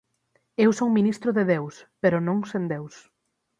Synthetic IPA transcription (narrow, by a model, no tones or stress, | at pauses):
ewsowminist̪ɾʊðeðewspeɾʊnõŋsend̪ews